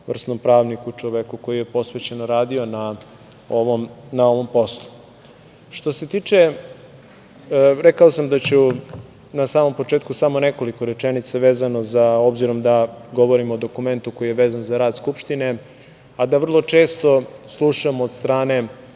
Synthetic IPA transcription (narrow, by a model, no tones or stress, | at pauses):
ʋr̩snompɾaːʋnikut͡ʂoʋekuko̞jije̞po̞sʋet͡ɕe̞noɾaːd̪io̞na | oomnao̞ʋo̞mpo̞slˠu̥ | ʃt̪o̞se̞t̪iːt͡ʂe | ɾekaosamd̪at͡ɕu | nasaːmo̞mpo̞t͡ʂeːt̪kusamo̞neko̞liko̞ɾe̞t͡ʂenit̪saʋeːzano̞zao̞bziɾo̞md̪aɡo̞ʋo̞ɾimoːd̪o̞kume̞nt̪uko̞jijeʋe̞ːzanzaɾaːd̪skupʃt̪ine̞ | ad̪aʋr̩lˠo̞t͡ʃe̞ːst̪o̞slˠuʃamoːd̪st̪ɾaːne̞